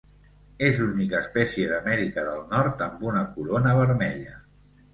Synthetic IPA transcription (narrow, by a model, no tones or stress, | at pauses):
ezlunikəːspɛsiəðəmɛɾikəðəlˠnɔɾt̪əmbunəkulonəβ̞əɾmɛʎə